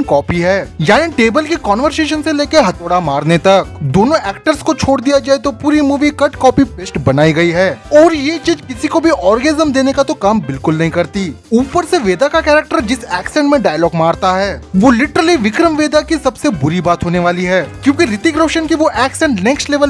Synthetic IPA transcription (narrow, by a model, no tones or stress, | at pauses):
kɔːpiɦɛːjaːniʈeːbəlkikɔːnʋəɾseːʃ̬ənseleːkeɦɐt̪oːɽamaːɾnet̪ɐk̚d̪oːnõʔɛːk̚ʈəɾskot͡ʃʰoːɽd̪ijad͡ʒaːet̪opuːɾimuːʋikɐʈkɔːpipeːsʈbɐnaːiɡɐiɦɛːɔːɾjet͡ʃiːd͡ʒkɪsikobʱiʔɔːɾɡɛnɪzəmd̪eːnekat̪okaːmbɪlkʊlnɐɦĩkɐɾt̪iː | uːpəɾseʋeːd̪akakɛːɾək̚ʈəɾd͡ʒɪsɛːksɛ̃ɳʈmẽɖaːjlɔːɡmaːɾt̪aɦɛːʋolɪʈəɾəliʋɪkɾəmʋeːd̪akisɐbsebʊɾibaːt̪ɦoːneʋaːliɦɛːkjõːkiɾɪt̪iɡɾoːʃənkiʋoʔɛːksɛ̃ːɳʈnɛ̃ːksʈleːʋəl